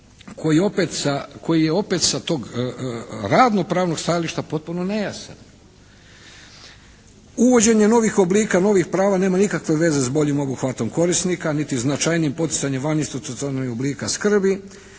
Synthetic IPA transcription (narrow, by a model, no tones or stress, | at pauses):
kʰo̞jio̞pet̪sakʰo̞jijeo̞pet̪sat̪o̞ːɡ | ɾad̪no̞pɾaːʋno̞ɡst̪ajaliʃt̪apo̞t̪̚puno̞ne̞jasa̰n | uʋo̞d͡ʑe̞ɲe̞no̞ʋixo̞bliːkano̞ʋixpɾaːʋane̞ːmanikakʋe̞ʋe̞ze̞zbo̞ʎimo̞buxʋat̪o̞mko̞ɾisnikanit̪iznat͡ʃajnijimpo̞t̪i̥t̪saɲemʋaninst̪ɾut̪ot̪anojobliːkaskr̩bi